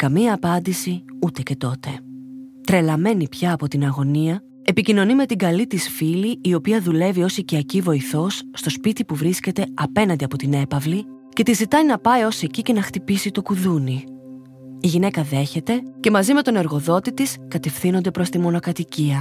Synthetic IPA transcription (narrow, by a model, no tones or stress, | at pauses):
kɐmiɐːpɐnd̪isiut̪e̞ce̞t̪o̞t̪e̞t̪ɾe̞lɐme̞nipçɐːpo̞t̪inɐɣo̞niɐ | e̞picino̞nime̞t̪iŋɡɐlit̪isfiliio̞piɐðule̞vio̞siciɐcivo̞iθo̞sːt̪o̞spit̪ipuvɾisce̞t̪e̞ɐpe̞nɐnd̪iɐpo̞t̪ine̞pɐvli | ce̞t̪izit̪ɐninɐpɐio̞se̞cice̞nɐxt̪ipisit̪o̞kuðuni | iʝine̞kɐðe̞çe̞t̪e̞ce̞mɐzime̞t̪o̞ne̞ɾɣo̞ðo̞t̪it̪iskɐt̪e̞fθino̞nd̪e̞pɾo̞st̪imo̞no̞kɐt̪iciɐ